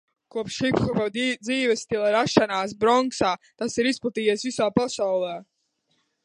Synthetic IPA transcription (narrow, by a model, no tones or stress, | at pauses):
kuɔpʃipxɔvɔd̪d̪ziːvɛst̪ilˠaɾaʃanaːs̬bɾɔŋksaːt̪asiɾisplˠat̪iːjiɛsvisaːpasawlˠɛː